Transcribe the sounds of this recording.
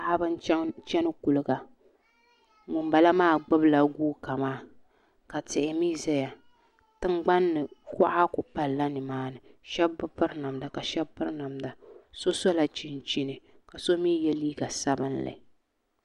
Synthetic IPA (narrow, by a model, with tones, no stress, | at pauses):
ʔa˦bɨ˦n˦t͡ʃɛ˦nɨ˦ku˨lɨ˨˦ɡa˨ | ŋu˨mba˨la˦maː˦˨ɡ͡bʊ˦bla˨ɡuː˦ka˨maː˦˨ | ka˨tɪ˨ʔɪ˨mi˦za˦ja˨ | tɨ˦mɡ͡ba˦nːɨ˨kʊ˦ʔa˦kʊ˨pa˨lːa˦nɨ˨maː˦nɨ˨ʃɛ˦bbɨ˦ɾna˨mda˨ka˨ʃɛ˦bːɨ˦ɾna˨mda˨so˦so˦la˨t͡ʃi˨n˨t͡ʃi˦nɨ˨ | ka˨so˦miː˦jɛ˦liː˦ɡa˨sa˦bɨ˦nla̰˨